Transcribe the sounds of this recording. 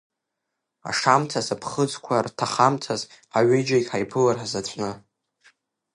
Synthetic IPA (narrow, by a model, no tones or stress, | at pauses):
a̰ʂamtʰasapʰχəd͡zkʷʰartʰaχamtʰaz | aɥɪjd͡ʒajkʲʼħajpʰɨlarħzat͡ɕʷʰʼnɨ